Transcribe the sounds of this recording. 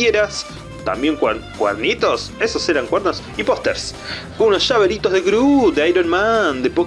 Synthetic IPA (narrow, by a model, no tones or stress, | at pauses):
eɾas | t̪a̰mbje̞ŋkwkwḛɾnit̪o̞sesoseɾaŋkweɾnosipost̪eɾs | ɡuunosʃaβeɾit̪ozðekɾud̪eajɾonmand̪epo